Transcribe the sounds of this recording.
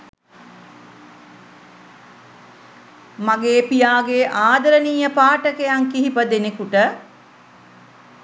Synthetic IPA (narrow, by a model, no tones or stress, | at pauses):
maɡeːpijaːɡeːʔaːd̪ɐɾəniːjəpaːʈəkejaŋkiɦipəd̪enekuʈə